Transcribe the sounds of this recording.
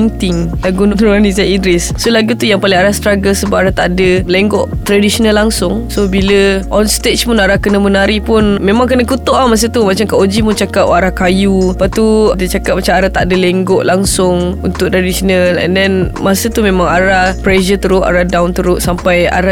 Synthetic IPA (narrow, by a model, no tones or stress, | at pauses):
ŋt̪ɪŋlaɡunnɾuanisaidɾissolaɡut̪ujaŋpalɪŋaɾast̪ɾaɡəsəbaʔaɾaht̪aʔdəleŋɡɔʔt̪ɾadisonəlːaŋsʊŋsobiləʔɔnst̪et͡ʃpunaɾahkənəmənaɾipʊnmemãŋk̬ənəkut̪ɔʔamas̬ət̪umat͡ʃamkaʔod͡ʒimut͡ʃakapaɾahkajupaʔt̪udit͡ʃakap̚mat͡ʃamaɾaht̪adəlɛŋɡɔʔlaŋsʊŋunt̪ʊk̚t̪ɾadisonəlɛ̰ndɛnmasət̪umẽmãŋaɾahpɾɛʃət̪əɾʊʔa̰ɾahdawnt̪əɾʊʔsampaja̰ɾa